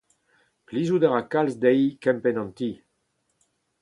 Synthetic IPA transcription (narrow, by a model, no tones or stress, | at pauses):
plizud̪eʁakalsd̪ɛjkɛmpenɑ̃nt̪i